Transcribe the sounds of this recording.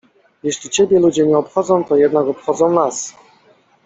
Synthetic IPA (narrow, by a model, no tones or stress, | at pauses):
jɛɕlʲit͡ɕebʲjɛlud͡ʑɛɲɛɔpxɔd̪zɔ̃w̃t̪ɔjɛd̪nakɔpxɔd̪zɔ̃w̃nas